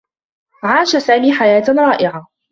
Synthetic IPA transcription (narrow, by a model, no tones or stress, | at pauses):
ʕaːʃasaːmiːħajaːt̪ɾˤɑːʔɪʕa